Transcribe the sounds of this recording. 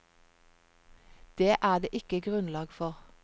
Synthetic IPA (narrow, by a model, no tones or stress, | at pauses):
d̪̥eːʔæːd̪eːʔɪkəɡʁʉnlɑːɡfɔʁ